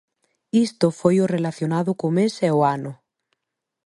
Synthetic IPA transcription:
ist̪ofojorelaθjonaðokomeseoano

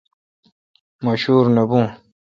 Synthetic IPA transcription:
mɐɕuːɾnɐbũː

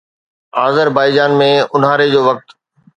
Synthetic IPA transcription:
aːzəɾbaːid͡ʑaːnmẽʊn̤aːɾed͡ʑoːʋɐk̚t̪

